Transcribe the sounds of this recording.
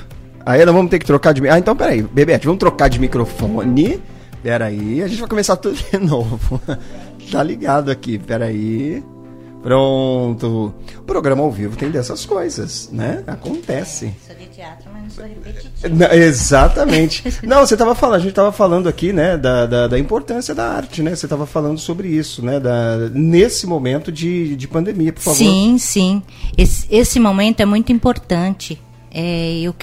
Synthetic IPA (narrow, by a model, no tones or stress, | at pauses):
ainɐ̃w̃vɐ̃mʊt̪eɾkɪt̪ɾokaɾd͡ʒɪmaẽnt̪ɐ̃w̃pɛɾaibebeat͡ʃɪvɐ̃mʊt̪ɾokaɾd͡ʒɪmikɾofõnɪ | pɛɾaiaʒẽt͡ʃɪvajkõmesaɾt̪ud̪ʊd͡ʒɪnovʊ | t̪aliɡad̪ʊakipɛɾai | pɾõt̪ʊʊpɾoɡɾɐ̃mɐawvivʊt̪ẽj̃d̪ɛsɐskojzɐsnɛakõnt̪ɛsɪ̰ | t͡ʃat̪ɾ | nɐ̃ezat̪ɐmẽnt͡ʃɪ̥nɐ̃w̃set̪avɐfalɐʒẽt͡ʃɪt̪avɐfalɐ̃nd̪ʊakinɛd̪ɐd̪ɐd̪ɐĩpoɾt̪ɐ̃siɐd̪ɐa̰ɾt͡ʃɪnɛvset̪avɐfalɐ̃nd̪ʊsobɾɪisʊnɛd̪ɐnesɪmomẽnt̪ʊd͡ʒɪd͡ʒɪpɐ̃nd̪emiɐpoɾfavoiɾ̃sĩ | esesɪmomẽnt̪ʊɛmũj̃t̪ʊĩmpoɾt̪ɐ̃t͡ʃɪ | ɛʊk